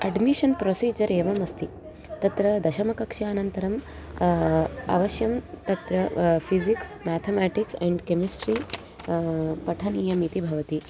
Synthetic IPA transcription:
ɐɖmiʃɐnpɾoːsiːd͡ʒɐɾeːʋɐmɐst̪i | t̪ɐt̪ɾɐd̪ɐʃɐmɐkɐkʂaːnɐnt̪ɐɾɐm | a̰ːʋɐʃjɐmt̪ɐt̪ɾɐpʰiziksmæt̪ʰemæːʈiksɛ̃ɳɖkemisʈɾi | pɐʈʰɐnijɐmit̪ibʱɐʋɐt̪i

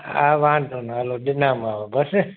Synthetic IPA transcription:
aːʋãːnd̪onaːloɗɪnaːmaːʋobəs

